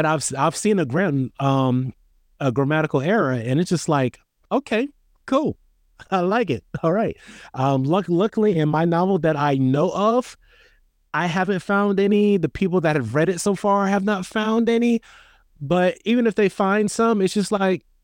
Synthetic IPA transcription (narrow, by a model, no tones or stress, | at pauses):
ɨɾaɪv̥saɪv̥sĩnɨɡɹæ̃nʌ̃m | əɡɹɨmæɾɨkl̩ˠɛɹɨɨ̃nɨtsd̥ʒ̥ʌstˡlaɪk | oʊkʰeɪ | kʰulˠ | aɪlaɪk̬ɪt̚ɔlˠɹaɪt̚ʔʌ̃mlʌklʌkl̩ˠiɨ̃nmaɪnɑvl̩ˠðɨɾaɪnoʊʔʌv̥ | ʔaɪɦævɨ̃ntfãʊ̃ndɛniðɨpʰipl̩ˠðɨt̚hɨvɹɛɾɨtsoʊfɑɹaɪɨvnətfãʊ̃ndɛni | b̥ʌɾivɨ̃nɨfðeɪfãɪ̃nd̥sʌ̃mɨtsd̥ʒ̥ʌstˡlaɪk̚